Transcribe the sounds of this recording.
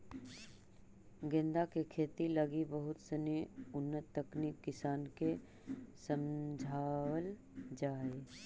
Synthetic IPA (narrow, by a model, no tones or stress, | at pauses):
ɡẽnd̪akekʰeːt̪ilɐɡibəɦʊt̪səneʊnːət̪ːəknikːɪsaːnke | səmd͡ʒʱaːwəl | d͡ʒaːeː